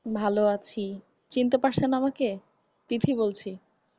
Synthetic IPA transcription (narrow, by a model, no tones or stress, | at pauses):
bʱaloat͡ɕʰi | t͡ɕint̪epaɾsʰenamake | t̪it̪ʰibolt͡ɕʰi